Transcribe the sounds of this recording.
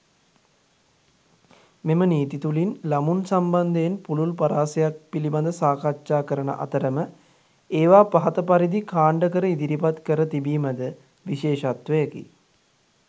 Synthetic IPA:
meməniːt̪it̪ulinlamunsamband̪eenpululpɐɾaːsejak̚piliband̪əsaːkatʃaːkəɾənə̰ʔa̰t̪əɾəmə | eːʋaːpaɦɐt̪əpaɾid̪ikaːɳɖəkəɾəid̪iɾipat̪kəɾət̪ibiːməd̪ə | ʋiʃeːʃat̪ʋəjəkḭ

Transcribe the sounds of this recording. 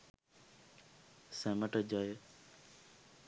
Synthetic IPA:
sẽːməʈəd͡ʒaːjoː

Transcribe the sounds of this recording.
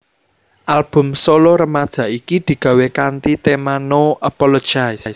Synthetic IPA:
ʔalb̥ʊ̤msoloɾəmad̥ʒ̥ä̤ʔikid̪̥i̤ɡ̥ä̤wekant̪it̪emanoʔapɔlo̥d͡ʒ̥ajsjs

